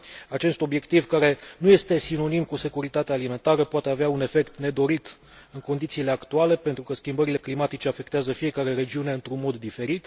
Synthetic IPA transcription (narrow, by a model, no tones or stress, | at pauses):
at͡ʃe̞st̪o̞bje̞kt̪ivkaɾe̞nuje̞st̪e̞sino̞nimkuse̞kuɾit̪at̪ealime̞nt̪aɾəpoat̪e̞aveaune̞fe̞kt̪ne̞d̪o̞ɾit̪ | ɨŋko̞nd̪it̪siːle̞akt̪uale̞pe̞nt̪ɾukəskʲimbəɾile̞klimat̪it͡ʃe̞afe̞k̚t̪eazəfije̞kaɾe̞ɾe̞d͡ʒiune̞ɨnt̪ɾunmo̞d̪ːife̞ɾit̪